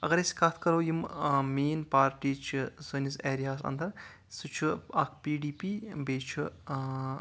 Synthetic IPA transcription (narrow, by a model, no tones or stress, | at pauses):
ɐ̰ɡɐɾeskat̪ʰkɐɾowjimmeːnpaːɾʈiːt͡ʃʰisɨniseːɾijaːsɐ̰nd̪ɐɾ | sut͡ʃʰuɐk̚ʰpiːɖiːpiːbeːt͡ʃʰu